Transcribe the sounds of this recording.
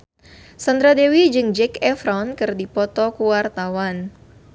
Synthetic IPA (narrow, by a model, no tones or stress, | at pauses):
sand̪ɾadewid͡ʒɨŋd͡ʒɛkɛfɾɔnkɨrdipɔt̪ɔkuwart̪awan